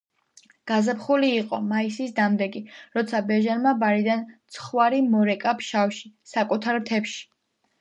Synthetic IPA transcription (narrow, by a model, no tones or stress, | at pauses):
ɡ̥azapχuliːqʼɔ̰maisisd̪amd̪ɛɡiɾɔt̪sʰabɛʒanmabaɾid̪ant̪sʰχwaɾimɔɾɛkʼapʃawʃisakʼut̪ʰaɾmt̪ʰɛpʃi̥